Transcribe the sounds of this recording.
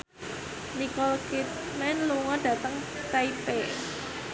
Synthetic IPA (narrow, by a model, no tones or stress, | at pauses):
nikɔlkit̪̚ | mɛnluŋɔɖ̥ä̤t̪əŋ | t̪aipe